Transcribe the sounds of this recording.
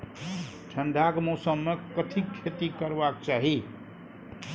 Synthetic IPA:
ʈʰəɳɖʱakmɔsəmːekəʈʰikʰːet̪ikəɾbakt͡ʃaɦi

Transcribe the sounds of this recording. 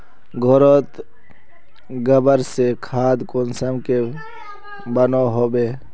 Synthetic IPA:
ɡʱoɾot̪ | ɡəbəɾsekʰaːd̪konsəmke | bənoɦoːbeː

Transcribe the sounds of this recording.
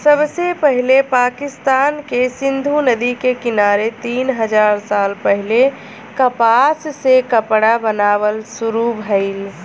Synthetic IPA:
səbsepəɦilepakist̪ankesind̪ʱunəd̪ikekinaɾet̪inɦəd͡ʒaɾsalpəɦile | kəpassekəpɽabənaβəlsuɾubɦəɪl

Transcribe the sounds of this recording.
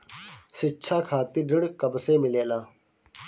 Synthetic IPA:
sɪtːt͡ʃʰaːkʰaːt̪iːɖəɽkəbseːmɪleːlaː

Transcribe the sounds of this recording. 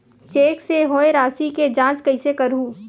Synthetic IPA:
t͡ʃeːkseɦoːeɾaːsiked͡ʒãːt͡ʃkɐɪsekɐɾɦũː

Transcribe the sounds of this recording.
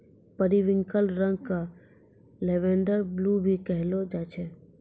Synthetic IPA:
pəɾiʋɪ̃ŋkəlɾə̃ŋɡ̚ka | leːʋẽːɳɖəɾbluːbʱikɛɦlod͡ʒaːt͡ʃʰe

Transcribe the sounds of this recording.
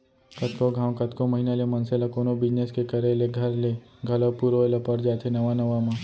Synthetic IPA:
kɐt̪ʰkoɡʱãːwkət̪ʰkomɐɦinalemɐnselakoːnobɪd͡ʒneskekəɾeleɡʱɐɾle | ɡʱɐlopuɾoelɐpəɾd͡ʒaːt̪ʰenɐʋanɐʋamã

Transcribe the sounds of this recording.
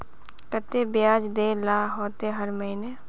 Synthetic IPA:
kət̪ebɪjaːd͡ʒd̪eːlaːɦoːt̪eɦɐɾmɐɦɪneː

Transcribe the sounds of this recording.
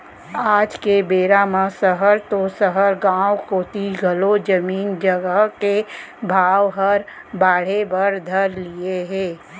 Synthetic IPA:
aːd͡ʒkebeːɾamãsəɦəɾt̪osəɦəɾɡãːwkot̪iɡʱɐlod͡ʒəmiːnd͡ʒəɡəɦkebʱaːwɦəɾ | baːɽ̤ebəɾd̪ʱəɾlieɦɛ̃ː

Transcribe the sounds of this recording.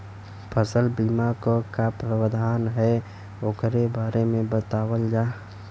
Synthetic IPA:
pʰəsəlbiːmakokapɾəwəd̪ʱaːnɦɛ | okɾebaːɾemẽbət̪aːwəld͡ʒaː

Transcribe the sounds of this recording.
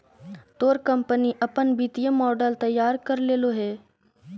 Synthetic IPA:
t̪oːɾkə̃mpəniʔɐpənbit̪ijəmɔːɖəlt̪ɐjːaːɾkɐɾleːloɦɛː

